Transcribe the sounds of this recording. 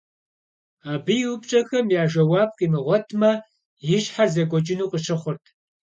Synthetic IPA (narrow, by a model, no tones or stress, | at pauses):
aːbɨjɪwʊpt͡ʃʼɐxɐmjaːʒɐwɑːp̚qʼimɨʁʷɔtʰmɐ | jɪʒħarzɐɡʷʼɔd͡ʒɪnuːqʼəɕʰɨχʷʊrtʰ